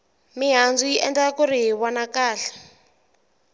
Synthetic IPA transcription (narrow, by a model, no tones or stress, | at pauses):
miɦand͡zujiʔɛnd͡zakuɾiɦiwanakaːɬḁ